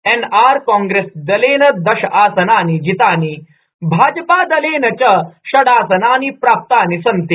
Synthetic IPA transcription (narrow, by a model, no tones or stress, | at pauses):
enaːɾkɔ̃ŋɡɾesd̪ɐleːnɐd̪ɐɕaːsɐnaːnid͡ʑit̪aːni | bʱaːd͡ʒpaːd̪ɐleːnɐt͡ɕɐɕɐɽaːsɐnaːnipɾaːp̚t̪aːnisɐnt̪i